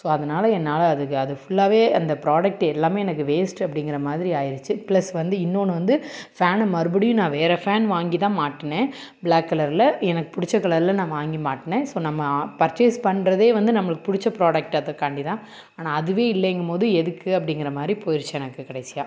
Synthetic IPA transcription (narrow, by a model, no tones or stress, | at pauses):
soːɐðɐnaːlɐɛnːaːlɐːðɯkːɯɐðɯfʊɭːaːʋeːɐnd̪ɐpɪɾaːɽɐk̚ʈɛlːaːmeːɛnɐk̬ːɯʋeːsʈɐpːɐɽɪŋɡɪɾɐmaːðɪɾiaːjɪɾɯt͡ʃːɯplɐsʋɐnd̪ɯɪnːoːnɯʋɐnd̪ɯfaːnmɐɾɯbɯɽɪjʊ̃nãːʋeːɾɐfaːnʋaːŋɡit̪ãːmaːʈːɐnẽː | bɭaːkːɐlɐɾlɐɛnɐkːɯ̥pʊɽɪt͡ʃːɐkːɐɭɐɾɪlɐnãːʋaːŋɡimaːʈːɐnẽːsoːnɐmːɐpɐɾt͡ʃeːspɐɳɾɐðeːʋɐnd̪ɯnɐmːɐɭɯkːɯ̥pʊɽɪt͡ʃːɐpɾaːɽɐk̚ʈɐðɐkɐɳɖɪt̪ãː | aːnaːɐðɯʋeːɪlːɛŋɡɐmpoːðɯɛðɯkːɯɐpːɐɽɪŋɡɪɾɐmaːd̪ɾipoːjɪɾt͡ʃːɛnɐkːɯkɪɽɐɪsɪja̰ː